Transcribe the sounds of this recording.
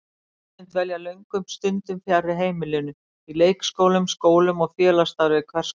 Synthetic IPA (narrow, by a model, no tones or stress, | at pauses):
ɪnt̪vɛljalœɥŋkʏmst̪ʏnt̪ʏmfjarːɪɦeːjmɪlɪnʏ | ileːjkskoːwlʏmskoːwlʏmɔɣfjɛːlast̪aɾvɪkʰvɛr̥s